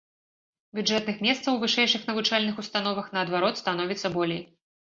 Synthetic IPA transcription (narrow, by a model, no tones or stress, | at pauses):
bʲud͡ʐʐɛt̪nɨxmʲɛst̪sɐwvɨʂɛjʂɨxnɐvut͡ʂalʲnɨxust̪anɔvɐxn̪ɐɐd̪vaɾɔt̪st̪an̪ɔvʲit̪sːɐbɔlʲej